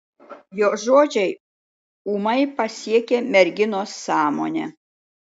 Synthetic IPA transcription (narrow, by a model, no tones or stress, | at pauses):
joːʒoːd͡ʒʲɛɪ | uːmɐɪpɐsʲiɛkʲeːmʲɛɾʲɡʲɪnoːsːɑːmo̰ːnʲḛ